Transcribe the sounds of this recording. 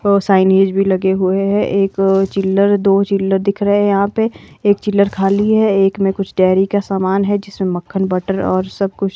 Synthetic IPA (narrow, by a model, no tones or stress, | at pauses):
saːɪneːd͡ʒbʱilɐɡeɦueɦɛʔeːkt͡ʃɪlːəɾd̪oːt͡ʃɪlːəɾd̪ɪkʰɾəɦejɐɦãpeeːk̚t͡ʃɪlːəɾkʰaːliɦɛeːkmẽkʊt͡ʃʰɖɛːɾikasaːmaːnɦɛd͡ʒɪsmẽməkʰːənbɐʈəɾɔ̰ːɾsɐb̚kʊt͡ʃʰ